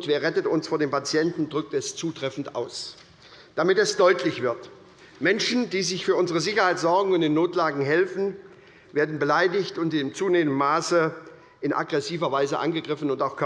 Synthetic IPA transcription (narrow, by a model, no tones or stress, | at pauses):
tveːɐʁɛtətʊnsfoːɐdeːmpat͡sjɛntn̩dʁʏk̚tɛst͡suːtʁ̥ɛfn̩tʔa̰ʊs | d̥amɪtɛsd̥ɔʏtʰlɪçv̥ɪɐt | mɛnʃn̩diːzɪçfyːɐʊnzəʁ̞əzɪçɐhaɪtz̥ɔɐɡŋ̩ʊntd̥enːoːtlaːɡŋ̩ɦɛlfn̩ | veːɐdn̩bəlaɪdɪçtʊntɪmt͡suːneːmənːaːsə | ʔɪnʔa̰ɡʁɛsiːvɐvaɪzəʔa̰nɡəɡʁɪfn̩ʊntaʊxkʰ